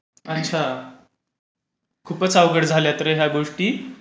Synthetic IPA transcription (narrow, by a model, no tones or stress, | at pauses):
ətːt͡ɕʰa | kʰuːpət͡saʋɡəɽd͡zʱaljat̪ɾəɦjaɡoʂʈiː